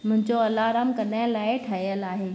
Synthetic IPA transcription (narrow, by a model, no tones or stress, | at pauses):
mʊ̃ɦɪ̃ɲd͡ʑoɐlːaɾaːmkɐnaːɪ̃laːɪʈʰɐijəlaːɦeː